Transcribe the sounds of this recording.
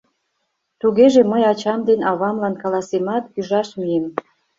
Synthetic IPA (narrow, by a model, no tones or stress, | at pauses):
t̪uɣeʒeməjɑt͡ɕɑmd̪enɑβɑmlɑnkɑlɑsemɑt̪yʒɑʃmijem